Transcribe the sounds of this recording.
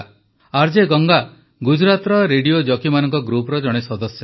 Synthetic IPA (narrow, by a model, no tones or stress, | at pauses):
aɾd͡ʒeɡɔŋɡa | ɡud͡ʒɾat̪ɾɔɾeɖijod͡ʒɔkimanɔŋkɔɡɾupɾɔd͡ʒɔɽ̃esɔd̪ɔsjɔ